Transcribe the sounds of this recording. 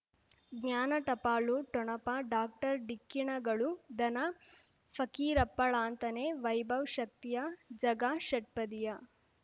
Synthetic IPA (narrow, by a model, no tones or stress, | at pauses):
ɡɲjaːnɐʈɐpaːɭuʈɔɳɐpɐɖaːk̚ʈɐɾɖikːiɳɐɡɐɭud̪ɐnɐ | fʰɐkiːɾɐpːɐɭaːnt̪ɐneːʋɐjbʱɐʋʃɐk̚t̪ijɐd͡ʒɐɡaːʃɐʈ̚pɐd̪ijɐ